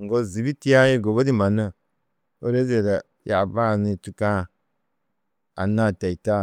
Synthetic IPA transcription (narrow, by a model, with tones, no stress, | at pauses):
ŋ̩˨ɡɔ˦˨zi˨bi˦ti˦a˦je˦˨ɡo˨bə˦di˦ma˨nə˦˨ | o˦ɾe˦ze˨da˨ | ja̰˨ba˦˨ni˧˨tu˦kã˦˨ | a̰˨na˦˨tɛ˨i˨ta˦